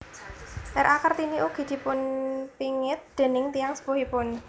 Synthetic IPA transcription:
ʔɛɾʔakərt̪iniʔuɡ̥i̤d̪̥i̤pʊnpiŋɪt̪̚d̪̥e̤nɪŋt̪ijaŋsə̥poɦipʊn

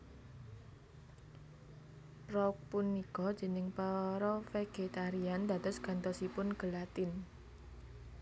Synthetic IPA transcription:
pɾɔk̚punːikɔd̥d͡ʒ̥ə̤nɪŋpəɾɔfeɡ̥et̪aɾiand̪a̤d̪̥ɔ̤sɡ̥a̤nt̪ɔsipʊnɡ̥əlat̪ɪn

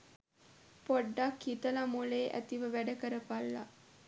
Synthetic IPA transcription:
poɖːakhit̪əlamuleːʔæ̰t̪iʋəʋæɖəkəɾəpalːa̰

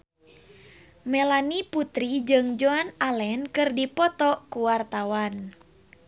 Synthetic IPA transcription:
mɛlaniput̪ɾid͡ʒɨŋd͡ʒoanalɛnkɨrdipɔt̪ɔkuwart̪awan

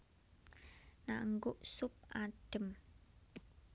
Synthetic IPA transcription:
naŋɡʊʔsʊp̚ʔaɖ̥ə̤m

